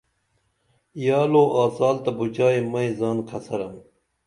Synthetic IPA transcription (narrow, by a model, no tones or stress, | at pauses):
jɑːloːʔaːsaːlt̪ɐbut͡ɕaːimɐizaːnkʰɐsɐɾɐm